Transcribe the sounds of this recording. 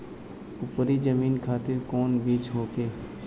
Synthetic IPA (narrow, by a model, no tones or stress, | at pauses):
ʊpɾid͡ʒəmiːnkʰaːt̪ɪɾkɔːnbiːt͡ʃɦoːkeː